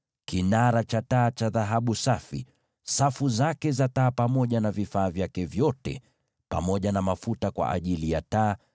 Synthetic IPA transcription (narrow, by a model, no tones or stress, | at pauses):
kinaɾat͡ʃataːt͡ʃaðaɦaɓusafḭ | safuzakɛzataːpamɔʄanavifaːvjakɛvjɔtɛ̰ | pa̰mɔʄanamafutakwa̰ʔa̰ʄilijataː